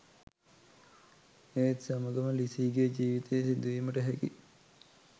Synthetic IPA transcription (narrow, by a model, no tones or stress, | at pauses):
eːt̪saməɡəməlisiːɡed͡ʒiːʋit̪ʰejːsid̪uʋiməʈəɦækḭ